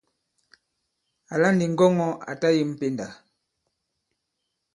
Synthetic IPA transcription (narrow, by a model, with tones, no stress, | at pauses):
a˨la˦ndi˨ŋ̩˦ɡɔ˦ŋɔ˦a̰˨ta˦ji˦m̩˦pe˦nda˨